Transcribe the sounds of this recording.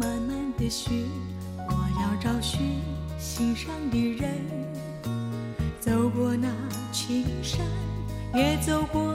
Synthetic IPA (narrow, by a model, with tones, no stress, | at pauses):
ma˧˥nma˥˧nd̪ə˧ɕɛ˧˥ | wɔ˨˩jɑ˥˧ʊʈ͡ʂɑ˥˩ʊɕɛ˧˥ | ɕi˧ŋʂɑ˥˧ŋd̪i˧˩ɻə˧˥n | t͡so˧˥ʊkwɔ˧na˧ | t͡ɕʰi˧˥ʂɑ˥ŋ | jɛ˧˥t͡so˧ʊkwɔ˧˩